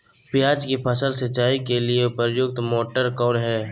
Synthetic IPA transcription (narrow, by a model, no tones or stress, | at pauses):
pɪjaːd͡ʒkipʰəsəlsɐt͡ʃaːikelieʊpəɾjʊk̚t̪moːʈəɾkɔːnɦɛː